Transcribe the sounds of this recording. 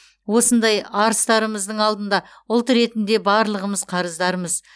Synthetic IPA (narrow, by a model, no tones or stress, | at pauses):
wo̞sənd̪ɑjɑɾəst̪ɑɾəməzd̪əɴɑlˠd̪ənd̪ɑ | ʊlˠt̪ɾe̞t̪ɪnd̪e̞bɑɾlˠəʁəməz̥qʰɑɾəzd̪ɑɾəməz